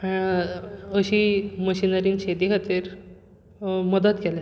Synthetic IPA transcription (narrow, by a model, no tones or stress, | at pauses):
a | əɕiːməɕinəɾiːŋɕed̪iɦət̪eɾ | məd̪ət̪ɡɛle